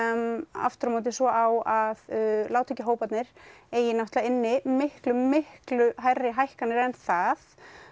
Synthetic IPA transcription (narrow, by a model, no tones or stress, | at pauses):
ma̰ft̪ɾamowt̪̬ɪsvɔʔawaðlaːwt̪ʰɪcːɪɦoːwpat̪nɪɾeːjɪnawht̪laɪnːɪmɪhklʏmɪhklʏɦajrːɪɦajhkanɪɾɛnθað